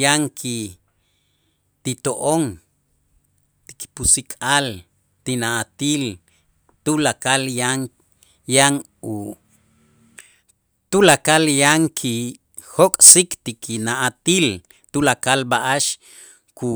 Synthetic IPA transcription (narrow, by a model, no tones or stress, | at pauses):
jaŋkʰi | t̪it̪oʔoŋ | t̪iki̥pusikʼal | t̪inaʔat̪iːl | t̪ulakaljaŋ | jaŋ | u | t̪ulakaljaŋkʰi | hokʼsikt̪ikinaʔat̪iːl | t̪ulakalbaʔaʃ | ku